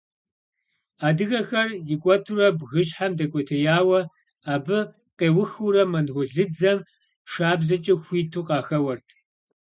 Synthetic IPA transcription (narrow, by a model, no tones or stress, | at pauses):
aːdɨɣɐxɐrjɪkʷʼɔtʰurɐbɣɨɕʼħamdɐkʷʼɔtʰɐjaːwɐ | aːbɨ | qeːwʊxuɾɐmɐnʁʷʊɮɨd͡zɐm | ʃaːbzɐt͡ʃʼɪxʷiːtʰuːqʼɑːxɐwɐrtʰ